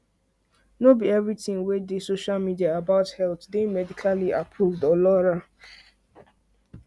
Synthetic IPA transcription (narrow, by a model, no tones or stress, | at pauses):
nobiɛvɹitĩŋwedesoʃalmidiaːbaʊthɛltdemɛdikʰaliʔapʰɹuvdɔlɔɹa